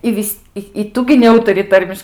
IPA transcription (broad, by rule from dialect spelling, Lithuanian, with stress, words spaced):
ɪ ˈʋʲɪsʲ ɪ ˈtʊ ɡʲɪ nʲɛˈuːtɐrʲɪ ˈtɐrʲmʲɪʃ